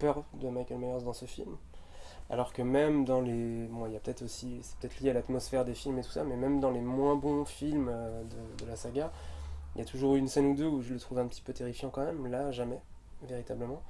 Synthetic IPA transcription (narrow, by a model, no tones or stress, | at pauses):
pœʁd̪əmajkʲɛlmajɔʁsd̪ɑ̃səfḭlm | a̰lɔʁkəmɛmd̪ɑ̃lebɔ̃iljapət̪ɛt̪χosisɛ̥pət̪ɛt̪χljealat̪mɔsfɛʁd̪efilmet̪u̥samɛmɛmd̪ɑ̃lemwɛ̃bɔ̃filmød̪əd̪əlasaɡailjat̪uʒuʁynsɛnud̪øuʒələt̪χuvɛ̃pət̪i̥pøt̪eʁifjɑ̃kɑ̃mɛmlaʒamɛ | veʁit̪abləmɑ̃